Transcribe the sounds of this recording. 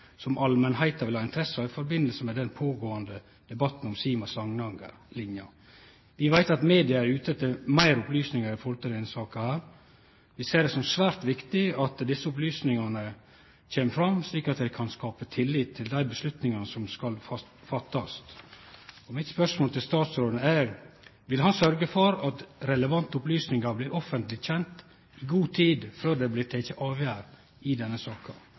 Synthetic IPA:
sɔmʔɑlmənɦæɪt̪ɑʋɪlhɑːɪnt̪ʰɾɛsəɑɾɪfɔɾbɪnːəlsəmɛd̪ɛnpʰoːɡoːɑnd̪ə | d̪̥ɛbɑt̪n̩ɔmsiːmɑsɑŋnɑŋɡə̰ | lɪnjɑ | ʋɪʋæɪt̪ɑt̪meːd̪ɪɑæɾʉːt̪ət̪ʰɪlmæɪɾʊplyːsnɪŋəɾɪfɔɾt̪əɾɪnsɑːkɑhæːɾ | ʋɪseːɖɛsɔmsʋæːɾt̪ʋɪkt̪ɪɑt̪d̪ɪsːəʊplyːsnɪŋɑnə | t͡ɕʰeːməfɾɑmsliːkɑt̪̚d̪ɛɪkʰɑnskɑːpət̪ʰɪlːiːt̪ʰːɪld̪æɪbəslʉt̪nɪŋɑnəsɔmskɑlfɑ | fɑt̪ːɑst̪ | ɔmɪt̪spœʂmoːlt̪ɪlst̪ɑːt̪sɾoːd̪əæɾʋɪlɦɑnsœɾɡəfɔɾɑt̪ɾɛləʋɑnt̪əʊplyːsnɪŋɑɾblɪːʔɔfənt̪lɪçɛnt̪ | ɪɡuːt̪ʰiːd̪føːɖ̪ɛblɪt̪ʰɛɪçəʔɑːʋjæːɾ | ɪd̪ɛnːəsɑːkɑ

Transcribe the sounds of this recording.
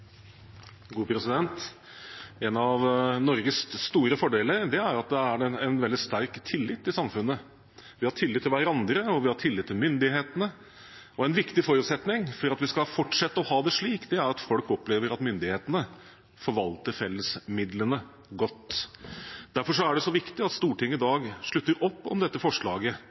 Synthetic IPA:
ɡuːpʰɾɛsɪd̪ɛnt̪ | ɛnɑʋnɔɾɡəsst̪uːɾəfɔɖeːləɾd̪ɛæɾɑt̪̚d̪ɛæɖɛɛnʋɛld̪ɪst̪æɾkt̪ʰɪlːɪt̪ːɪsɑmfʉnːə | ʋɪhɑʈʰɪlːɪt̪ʰːɪlʋæɾɑnd̪ɾəɔʋɪhɑʈʰɪlːɪt̪ʰːɪlmʏnd̪ɪheːt̪ənə | ɔɛnʋɪkt̪ɪfɔɾʉːt̪sɛt̪nɪŋfɔɾɑt̪ʋɪskɑfɔʈʂɛt̪ːəɔhɑːd̪ɛʂɭiːkd̪ɛæɾɑt̪fɔlkɔpːleːʋəɾɑt̪mʏnd̪ɪheːt̪ənə | fɔɾʋɑlt̪əɾfɛlːəsmɪd̪lənə | ɡɔt̪ː | d̪̥æɾfɔʂɔæɖɛsɔʋɪkt̪ɪɑt̪st̪uːʈʰɪŋːəɪd̪ɑːɡʂɭʉt̪ːəɾɔpːɔ̰md̪ɛt̪ːəfɔʂɭɑːɡə

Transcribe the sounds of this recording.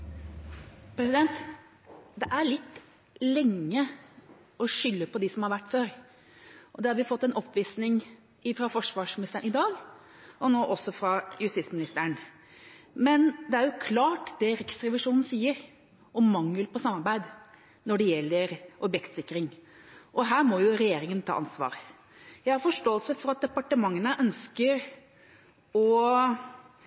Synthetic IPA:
pɾɛsɪd̪ɛnt̪ | d̪ɛʔæɭɪt̪ː | lɛŋːə | ɔʂʏlːəpɔd̪ɪsɔmhɑɾʋæʈːføːɾ | ʔɔd̪ɛhɑɾʋɪfɔt̪ːɛnʔɔpːʋiːsnɪŋ | ɪfɾɑfɔʂʋɑːʂmɪnɪst̪əɳnɪd̪ɑːɡ | ɔnoːʔɔsːɔfɾɑjʉst̪ɪsmɪnɪst̪əɳ | mɛnd̪ɛæɾjʊkʰlɑːʈd̪ɛɾɛksɾɛʋɪʂuːnn̩siːəɾ | ʔɔmːɑŋːəlpɔsɑmːɑɾbæɪd̪ | nɔɖɛjɛlːəɾʔɔbjɛkt̪sɪkːɾɪŋ | ʔɔɦæːɾmɔjʊɾɛjeːɾɪŋənt̪ʰɑ̰ːʔɑnsʋɑ̰ːɾ | jæɪhɑɾfɔʂʈoːəlsəfɔɾɑt̪̚d̪ɛpɑʈəmɑŋːənəʔœnskəɾ | ɔ

